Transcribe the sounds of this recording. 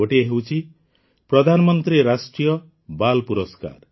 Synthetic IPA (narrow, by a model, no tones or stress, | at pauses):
oʈieɦewt͡ʃʰi | pɾɔd̪ʱanɔmɔnt̪ɾiɾasʈɾijɔ | balpuɾɔska̰ɾ